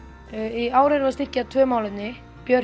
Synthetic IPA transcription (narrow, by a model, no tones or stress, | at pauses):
iaːwɾɪɾvast̪ir̥cat̪ʰvœːmaːwlɪt̪nːɪ | pjœr